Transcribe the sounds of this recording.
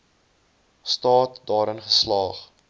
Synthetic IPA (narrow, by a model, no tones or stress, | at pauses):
stɑːt̚dɑːɾənχəslɑːχ